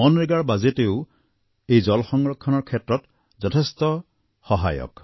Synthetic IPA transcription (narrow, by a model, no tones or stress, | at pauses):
ɔnɹiɡaɹbazeteʊ | ejzɔlxɔŋɹɔkʰːɔnɔɹkʰetɹɔt | zɔtʰestɔ | xɔɦa̰jɔ̰k